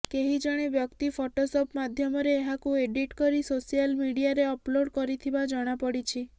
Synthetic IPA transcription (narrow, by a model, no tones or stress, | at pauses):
keɦid͡ʒɔɽ̃ebjɔkt̪ipʰoʈosopmad̪ʱjɔmɔɾeːɦakueɖiʈkɔɾisosijalmiɽijaɾeɔploɽkɔɾit̪ʰibad͡ʒɔɽ̃apɔɽit͡ʃʰi